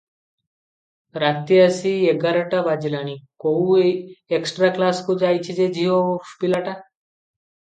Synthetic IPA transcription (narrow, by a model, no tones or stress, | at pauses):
ɾat̪jiəsieɡəɾəʈabad͡ʒilanikoueksʈɾaklaskud͡ʒajt͡ʃʰid͡ʒed͡ʒʱiofpilaʈa